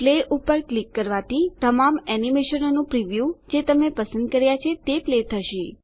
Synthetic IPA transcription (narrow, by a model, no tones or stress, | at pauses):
pleʔupəɾklikːəɾʋat̪it̪əmamɛnimeʃənonũpɾiʋjud͡ʒet̪əmepəsənd̪̚kəɾjat͡ʃʰet̪eplet̪ʰəʃi